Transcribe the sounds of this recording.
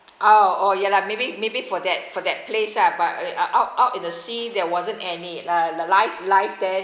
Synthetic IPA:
ʔoojɛlamebimebifɔdɛt̚fɔdɛt̚pʰlesabatʔaʊtaʊtĩndəsidɛwɔzə̃nɛnialəlaɪflaɪfdɛ

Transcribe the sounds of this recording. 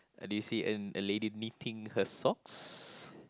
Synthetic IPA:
dujusiʔə̰əledinitʰĩŋhəsɔks

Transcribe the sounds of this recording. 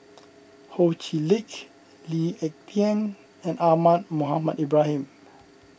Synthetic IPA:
hot͡ʃilik | liɛk̚tiãn | ɛ̃namat̚muɦamadibɹahĩm

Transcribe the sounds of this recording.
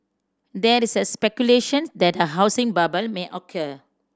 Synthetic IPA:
dɛisəspɛkjuleʃə̃nsdɛt̚dəɦaʊsɪ̃ŋbabəlmeʔɔkʰə

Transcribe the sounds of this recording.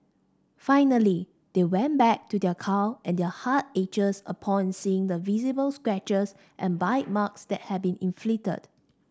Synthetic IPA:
faɪnəli | d̥ewɛ̃nbɛk̚tudɛkʰaʊʔɛ̃ndɛhat̚ed͡ʒəsə̰pʰɔ̃nnsiɪ̃ŋdəvizibəlskɹɛt͡ʃəs | ʔɛ̃nbaɪt̚maksdɛt̚hɛd̚bĩnĩnflitə̰d

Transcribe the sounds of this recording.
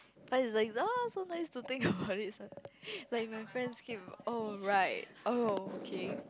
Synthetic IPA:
fatɪslaɪkosonaɪstut̪ɪ̃ŋkəbaʊtɪt̚sãnlaɪk̚maɪfɹɛ̃ndskʰip̚oɹaɪt̚ʔookʰe

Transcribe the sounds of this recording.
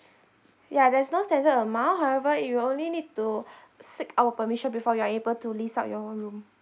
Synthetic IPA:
jadɛsnostɛ̃ndətəmãɦawɛvəwiõnlinid̚tu | sikʰawəpəmiʃɔ̃nbifɔjuaebəltulisat̚jɔɦõnɹũm

